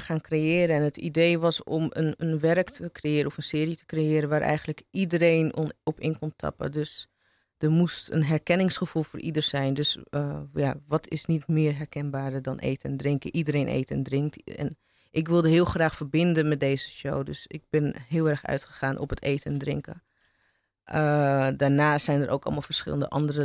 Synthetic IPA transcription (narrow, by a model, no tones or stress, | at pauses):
χaːnkrejɪːɾənɛnɦətidejʋɑsɔ̰mənənʋɛɹktʰəkrejɪːɾənɔfənsɪːɾitə̥krejɪːɾənʋaːɾʔɛ̰jχənləkidəɾejnɔpɪ̰nkɔmtʰɑ̰pə̰døs | d̥əɹmustənɦɛɹkɛnɪŋsχəv̥ulˠfʊːɹʔidəɹsɛjndøsjaʋɑtɪ̰snitmɪːɹɦɛɹkɛnbaːɹədɑnʔḛjtɛndrɪŋkəʔidəɾejnʔḛjtɛ̰ndrɪŋk̚tɛ̰n | ʔɪkʋɪlˠdəɦɪːlˠχraːχfəɹbɪndənmɛt̚dejzəʃo̰wdø̰sɪ̰ɡ̚bɪnɦɪːlˠɛɹχœ̰ɥtχəχaːnʔɔ̰pətḛjtɛndrɪ̰ŋkə̰ | ədaːɹnaːsɛjnəɾʔo̰wkɑ̰lˠmalˠfəɹsχɪ̰lˠəndə̰ʔɑ̰ndərə